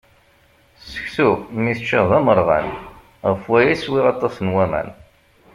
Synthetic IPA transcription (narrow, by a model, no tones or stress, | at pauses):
sə̥çθumiθt͡ʃːəðˤæməɾˤʁæ̰n | ʁəfwæjæswiʁɑt̪ˤːɑsnwæmæ̰n